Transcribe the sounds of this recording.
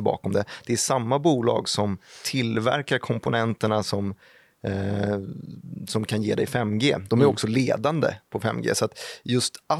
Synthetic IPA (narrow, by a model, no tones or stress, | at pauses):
bɑ̰ːkɔmd̪ɛd̪̥ɛæʂamːabuːlɑ̰ːɡsɔmt̪ʰɪlvæ̰ɾkaɾkʰɔmpʊnɛnt̪əɳasɔm | sɔmkʰanjeːd̪ɛjfɛmːɡeːd̪ɔmæɾɔksɔleːd̪and̪ə̰pʰɔfɛ̰mːɡḛːsɔat̪jɵst̪a